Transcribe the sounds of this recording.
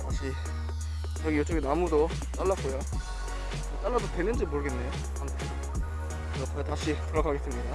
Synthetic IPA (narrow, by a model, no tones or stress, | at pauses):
taɕʰi | t͡ɕʌɡijot͡ɕ͈ʌɡinamudo | t͈aɭːak͈ojo | t͈aɭːadotenɯnd͡ʑimoɾɯɡenːe̞ | amtʰen | ʌkʌjotaɕʰitɯɾʌɡaɡe̞s͈ɯmɲida